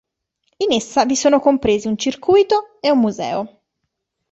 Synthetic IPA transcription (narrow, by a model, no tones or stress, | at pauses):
inesːavisoːnokompɾeːziunt͡ʃirkujt̪oeumːuzɛ̰ːo